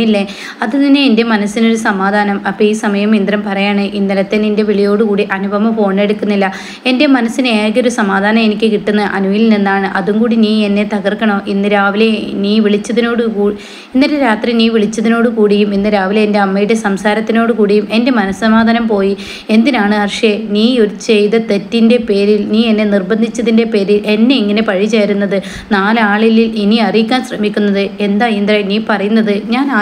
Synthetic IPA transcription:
ilːe | ɐðɨninːeende̞mɐnɐsːino̞ɾusɐmaːd̪ʱaːnɐmɐpːɐːiːsɐmɐjɐmind̪rɐmpɐrɐjaːɳɨʔinːɐlɐt̪ːeninde̞ʋiɭijoːɽukuːɽiʔɐnubʱɐmɐpo̞ːɳːe̞ɽukːunːilːɐ | e̞nde̞mɐnɐsːineːkʲio̞ɾusɐmaːd̪ʱaːnɐme̞nikʲːɨkiʈːunːɐʔɐnuʋilninːaːɳɨʔɐðuŋkuːɽiniːe̞nːet̪ɐɣɐrkːɐɳo̞ːʔinːɨɾaːʋile̞niːʋiɭit͡ɕːɐðino̞ːɽukuː | inːɐɾeɾaːt̪riniːʋiɭit͡ɕːɐðino̞ːɽɨkuːɽijuminːɨɾaːʋileende̞ɐmːɐjuɽesɐmsaːɾɐt̪ːino̞ːɽɨkuːɽijume̞nde̞mɐnɐsɐmaːd̪ʱɐnɐmpo̞ːji | e̞nd̪inaːɳɨɐrʂjeniːoɾut͡ɕejt̪ɐt̪e̞tːinde̞pe̞ːɾilniːe̞nːe̞nirbɐnd̪ʱit͡ɕːɐðinde̞pe̞ːɾile̞nːe̞iŋːɐne̞pɐɻit͡ɕejɾunːɐðɨ | naːlaːɭililiniɐrijikʲːaːnsrɐmikʲːunːɐðɨe̞nd̪aːjind̪rajniːpɐrɐjunːɐðɨɲaːnaː

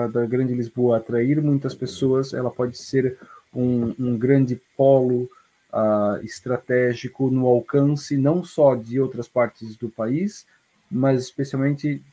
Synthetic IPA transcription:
d̪ɐɡɾɐ̃nd͡ʒɪlizboɐːt̪ɾaiɾmũj̃t̪ɐspesoɐsɛ̰lɐpɔd͡ʒɪseɾũũɡɾɐ̃nd͡ʒɪpɔlʊ | aɪst̪ɾat̪ɛʒikʊnʊawkɐ̃sɪnɐ̃w̃sɔd͡ʒɪowt̪ɾɐspaɾt͡ʃɪzd̪ʊpais | mɐzɪspesiawmẽnt͡ʃɪ

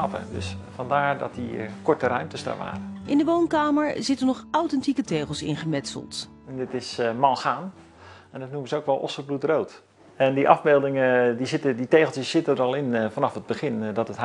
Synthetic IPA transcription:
ɑpə̰dɵ̰sfɑndaːɹdɔ̰t̚dikɔɹtərœɥmtəsda̰ʋa̰ːrəʔɪndəʋownkaːməɹzɪtəɹnɔχawtɛntikətejχəlˠsɪ̰nχəmɛtsə̰lˠt | ndɪtɪsmɑlˠxaːn | ɛndɔtnuməzəowkʋɛlˠʔɔ̰sərblutrowt | ɛndiʔɑ̰vbeːlˠdɪŋədizɪtəditejχlˠtjəsːɪtədəɹɑlˠɪnfanɑfəd̚bəχɪndɔtət

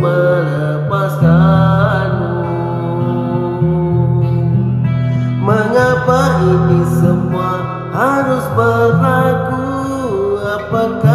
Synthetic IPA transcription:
məɾaa | pasa | n | məŋapaʔinisəmua | haɾʊsbəlaku | apaka

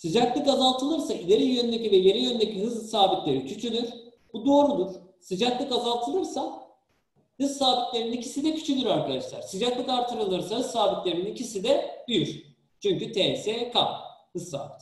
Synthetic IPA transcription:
sid͡ʒac̪lʲikazalˠt̪ʰɯlˠɯɾsailʲeɾijønynd̪ecivɛje̞ɾijønynd̪ecʰiɦɯzlˠsaːbit̪lʲe̞ɾicʰyt͡ʃ̪ʰylʲyɾ̥ | b̥ud̪o̞ːɾud̪uɾ̥ | sid͡ʒat̪lʲikazalˠt̪ʰɯlˠɯɾsa | hɯzsaːbit̪lʲe̞ɾininicʰisid̪ɛcʰy̥t͡ʃʰylʲyɾaɾkad̪aʃlˠa̰ɾ̥sid͡ʒat̪lʲikaɾt̪ʰɯɾɯlˠɯɾsahɯzsaːbit̪lʲe̞ɾininicʰisid̪ɛbyjyɾ | t͡ʃʰyɲcyt̪ʰɛsɛkʰa̰mhɯzsa̰ːbit̪

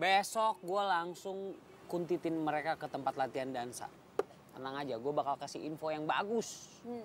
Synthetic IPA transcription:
besɔk̚ɡualaŋsʊŋ | kunt̪it̪ɪnməɾekakət̪əmpat̪lat̪iandansa̰ | ənaŋad͡ʒaɡuabakalkasiinfojaŋbaɡʊs

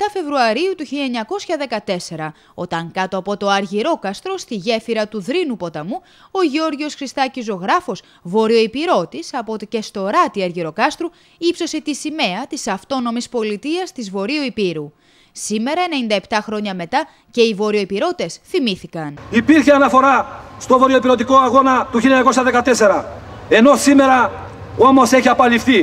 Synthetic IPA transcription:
t̪ɐfe̞vɾuɐɾiut̪uçiʎɐeɲɐko̞sçɐðe̞kɐt̪e̞se̞ɾɐ | o̞t̪ɐŋkɐt̪oɐpo̞t̪o̞ɐɾʝiɾo̞kɐst̪ɾo̞st̪iʝe̞fiɾɐt̪uðɾinupo̞t̪ɐmu | o̞ʝio̞ɾʝio̞sxɾist̪ɐcizo̞ɣɾɐfo̞s | vo̞ɾio̞ipiɾo̞t̪isɐpo̞t̪ece̞st̪o̞ɾɐt̪iɐɾʝiɾo̞kɐst̪ɾu | ipso̞se̞t̪isime̞ɐt̪isɐft̪o̞no̞mispo̞lit̪iɐst̪izvo̞ɾioipiɾu | sime̞ɾɐene̞nind̪ɐe̞pt̪ɐxɾo̞ɲɐme̞t̪ɐ | ce̞ivo̞ɾio̞ipiɾo̞t̪e̞sθimiθikɐnipiɾçeɐnɐfo̞ɾɐst̪o̞vo̞ɾio̞ipiɾo̞t̪̬iko̞ɐɣo̞nɐt̪uçilɐɲɐko̞sɐðe̞kɐt̪e̞se̞ɾɐ | e̞no̞sime̞ɾɐ | o̞mo̞se̞çiɐpɐlifθi

